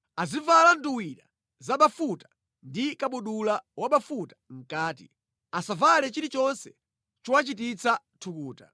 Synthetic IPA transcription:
azivalanduwiɾa̰ | zaɓafutḁ | ndikaɓuɗulawaɓafutḁŋ̩kaːtḭ | asavalɛt͡ʃiɾit͡ʃɔnsɛ̥ | t͡ʃɔwat͡ʃit̬it͡sʰa | tʰukuːta

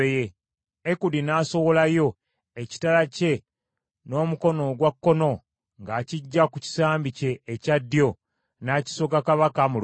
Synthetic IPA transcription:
je | ekudinaːso̞wo̞lajo̞ | eci̥talace̞ | no̞ːmuko̞no̞ɡwakːo̞no̞ | ŋɡaːciɟːakuci̥saːmbice̞ːcadːjo̞ | naci̥so̞ɡakaβakamul

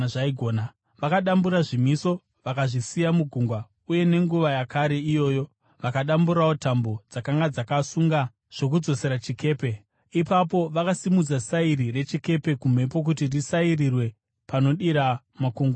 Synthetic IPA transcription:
ʐaiɡʱoːna | ʋakaɗambuɾaʐimiso̞ | ʋakaʐisijamuɡʱuŋɡwa | uje̞ne̞ŋɡuʋajakaɾe̞ijo̞ːjo̞ | ʋakaɗambuɾawo̞tambo̞d͡zakaŋɡad͡zakasuŋɡa | ʐ̥o̞k̬ud͡zo̞se̞ɾat͡ʃike̞ːpe̞ | ipapo̞ʋakasimud͡zasairire̞t͡ʃike̞pe̞kum̤e̞po̞k̬utirisairirwe̞ | pano̞ɗiɾa | makuŋɡa

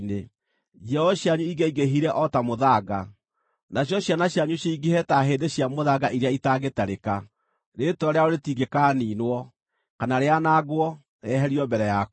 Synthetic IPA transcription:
ne | d͡ʒɛɔɕjaɲuiɡeiɡeɦiɾɛʔɔtamoðaɡa | naɕ̬jɔɕjanaɕjaɲuɕiiɡehɛtaɦeːndeɕjamoðaɡaʔiɾeaitaːɡetaɾeka | ɾetɔɾeaoɾetiɡekaːniːnwɔ | kanaɾeanaːɡwɔ | ɛɦɛɾiɔbɛɾɛja

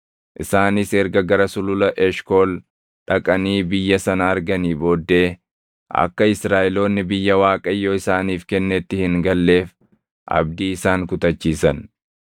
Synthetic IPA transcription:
ʔɪsaːnɪsɛɾɡɐɡɐɾɐsʊlʊlɐʔɛʃkoːl | ᶑɐ̰kʼɐniːbɪjːɐsɐnɐːɾɡɐniːbo̞ːd̪ːe̞ː | ʔɐ̰kːɐɪsɾaːʔɛlo̞ːnːɪbɪjːɐwaːkʼɐjːoːɪsaːniːfkɛnːɛt̪ːɪhɪŋɡɐlːe̞ːf | ʔɐ̰bd̪iːɪsaːŋkʊt̪ɐt͡ʃːiːsɐn

